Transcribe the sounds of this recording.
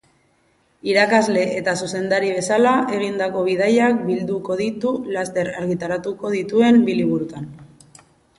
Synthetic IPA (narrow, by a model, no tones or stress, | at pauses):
iɾakazle̞ʔet̪asuse̞nd̪aɾiβ̞e̞salae̞ɣ̞ind̪ako̞β̞ið̞ajak̚bild̪uko̞ðit̪ulast̪e̞ɾaɾɣit̪aɾat̪uko̞ðit̪ue̞mbiliβuɾut̪an